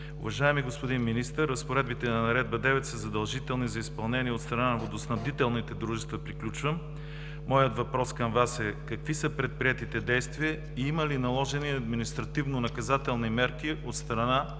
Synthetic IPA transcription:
ʊ̰vɐʒaɛmiɡospod̪inminist̪əɾːɐspoɾɛd̪bit̪ɛnɐnɐɾɛd̪̚bɐd̪ɛvɛt̪səzɐd̪ɐlˠʒit̪ɛlˠnizɐispɐlˠnɛniɛot̪st̪ɾɐnanɐvod̪osnɐbd̪it̪ɛlˠnit̪ɛd̪ɾuʒɛst̪vɐpɾiklʲut͡ʃvəmː | ɔjət̪vɐpɾɔskɐmvasɛkɐkvisəpɾɛt̪̚pɾiɛt̪it̪ɛd̪ɛjst̪viə | iimɐlinɐlˠɔʒɛniɐd̪minist̪ɾɐt̪ivnonɐkɐzat̪ɛlˠnimɛɾkiot̪st̪ɾɐna

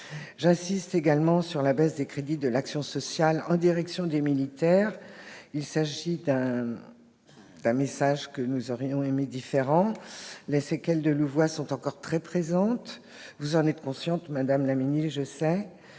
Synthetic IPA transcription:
ʒɛ̃sist̪eɡalmɑ̃syʁlabɛzd̪ekχed̪id̪əlaksjɔ̃sɔsjalɑ̃d̪iʁɛksjɔ̃d̪emilit̪ɛːʁilsaʒid̪ɛ̃ | d̪ɛ̃mesaʒkənuzɔʁjɔ̃emed̪ifeʁɑ̃lesekʲɛld̪əluvwasɔ̃t̪ɑ̃kɔʁt̪χɛpχezɑ̃t̪ | vuzɑ̃nɛt̪kɔ̃sjɑ̃t̪mad̪amlaminiʒəsɛ

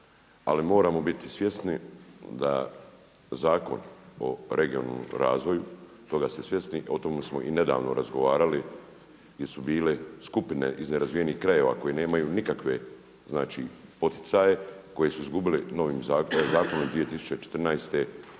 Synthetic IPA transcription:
a̰limo̞ːɾaːmo̞bit̪isʋje̞snid̪a̰ | zaːko̞̰no̞̰ɾʔe̞ɡiona̰lo̰mɾaːzʋo̞ju | t̪o̞ɡast̪esʋje̞snio̞t̪o̞mesmo̞ʔine̞d̪a̰ːʋno̞̰ɾʔazɡo̞ʋaːɾali | ɡjesubiːle̞skupine̞̰ʔizne̞ɾazʋijeniːhkɾaje̞ʋa̰ko̞jene̞ːmajuːnikakʋe̞ | znaːt͡ʃḭːpo̞t̪i̥t̪sajeko̞je̞suizɡubileno̞ʋiːmzaːkzaːko̞nomd̪ʋije̞t̪isu̥t͡ʃe̞t͡ʃet̪rnajst̪e̞

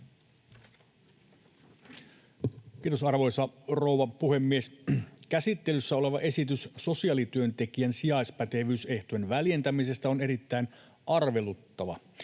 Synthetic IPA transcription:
kiːt̪osɑrʋo̞jsɑro̞wʋɑpuhe̞mːieskæsit̪ːe̞lysːæo̞le̞ʋɑʔe̞sit̪ysso̞siɑːlit̪yønt̪e̞kiænsijɑjspæt̪e̞ʋyːse̞ht̪oenʋælje̞nt̪æmise̞st̪æo̞ne̞ɾit̪ːæin | ʔɑrʋe̞lut̪ːɑʋɑ

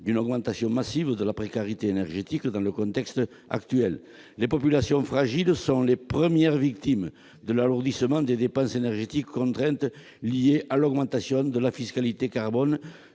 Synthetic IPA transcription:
d̪ynɔɡmɑ̃nt̪asjɔ̃masivəd̪əlapχekaʁit̪eenɛʁʒet̪ikd̪ɑ̃ləkɔ̃nt̪ɛkst̪ | a̰kt̪yɛlː | epɔpylasjɔ̃fχaʒilsɔ̃lepχəmjɛʁvikt̪im | d̪əlaluʁd̪isəmɑ̃d̪ed̪epɑ̃senɛʁʒet̪ikːɔ̃nt̪χɛ̃nt̪ | lieʔalɔɡmɑ̃nt̪asjɔ̃d̪əlafiskalit̪ekaʁbɔn

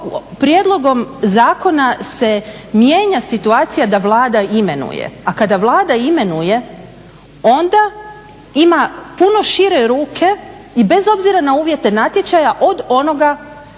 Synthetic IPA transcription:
pɾjed̪lˠo̞ɡo̞mzaːko̞nase̞mje̞ːɲasit̪uaːt̪sijad̪aʋlˠaːd̪aime̞nṵjḛakad̪aʋlˠaːd̪aime̞nuje̞ | o̞nd̪a | imapuno̞ʃiɾe̞ɾuːkʰe̞ | ibe̞zo̞bziɾanauːʋje̞t̪e̞nat̪jet͡ʃajaʔo̞d̪o̞no̞ɡa

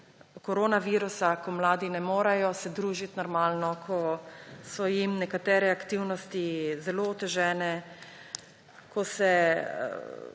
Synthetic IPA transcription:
kɔɾoːnaʋiːɾusakɔmlaːd̪inɛmoːɾajɔsɛd̪ɾuːʒit̪nɔɾmaːlnɔkʰɔsɔjimnɛkat̪ɛːɾɛakt̪iwnɔst̪izɛloːt̪ɛʒɛːnɛ | kʰɔsɛ̰

